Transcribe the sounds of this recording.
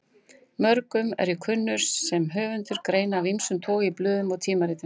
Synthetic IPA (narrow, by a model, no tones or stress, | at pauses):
mœɾkʏmɛ̰ɾikʰʏnːʏɾ̥sːɛmɦœːvʏnt̪ʏɾkɾeːjnaːvimsʏmt̪ʰoːɣɪiplʏːðʏmat̪ʰiːmaɾɪːt̪ɪ